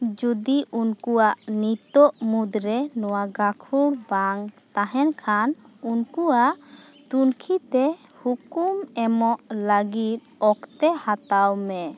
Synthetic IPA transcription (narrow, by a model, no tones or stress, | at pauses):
d͡ʒud̪iunkuaʔnit̪ɔʔmud̪ɾɛnɔwaɡakʰuɽbaŋt̪aɦɛnkʰan | unkuaʔ | t̪unkʰit̪ɛ | hukumɛmɔʔləɡit̪̚ɔkt̪ɛhat̪awmɛ